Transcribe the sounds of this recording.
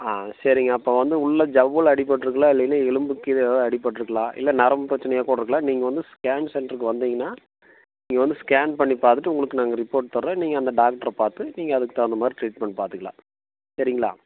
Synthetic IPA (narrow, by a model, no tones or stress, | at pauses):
aːsɐɾɪŋɡɐːpːoːʋɐnd̪ɯʊɭːɐd͡ʒɐʋɯɭɐɽɪp̬ːɐʈːɪɾɯkːɐɭaːɪlːɐnaɛɭɯmbɯkːiðɐɽɪpːɐʈːɪɾɯkːɐɭãːʔɪ̰lːɐnɐɾɐmpɪɾɐt͡ʃːɐnɐɛjaːkuːɽɐɾɯkːɭlãːniːŋɡɐʋɐnd̪ɯskaːnsɛɳɖɾɯkːɯʋɐnd̪iːŋɡɐnːaː | niːŋɡɐʋɐnd̪ɯskaːnpɐɳːipaːɾt̪ɯʈːɯʊŋɡɐɭɯkːɯnaːŋɡɐɾɪpːoːɾʈ̚t̪ɐɾːẽːniːŋɡɐːnd̪ɐɖaːk̚ʈɐɾɐpaːɾt̪ɯniːŋɡɐɐðɯkːɯt̪ːaːɐnd̪ɐmaːd̪ɾiʈɾiːʈ̚mɛɳːpaːɾt̪ɯkɐɭã̰ː | sɐɾɪŋɡɐɭa̰ː